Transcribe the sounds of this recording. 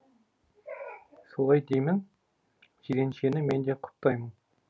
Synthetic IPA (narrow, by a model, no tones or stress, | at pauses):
solˠɑjd̪ejmɪŋ | ʒiɾe̞nʃe̞nɪme̞nd̪eqʰʊ̥pt̪ɑjmən